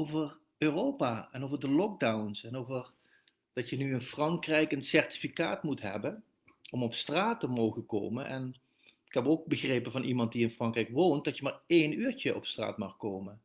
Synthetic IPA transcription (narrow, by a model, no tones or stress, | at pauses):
owvər | ørowpaːɛnowvəɹdəlɔk̚dawnsɛnowvər | d̥ɑtjənyənfrɑŋkrɛjkənsɛɹti̥fikaːtmutɦɛ̰bən | ɔmɔpstraːtəmowɣəko̰wmə̰nʔɛ̰n | ɪ̥kɦɛpowk̚bəɣrejpənvɑnʔimɑnt̚diɪnfrɑŋkrɛjkʋownt̚dɑtjəmaːɹejnyːɹt͡ʃəʔɔpstra̰ːtmɑxkowmən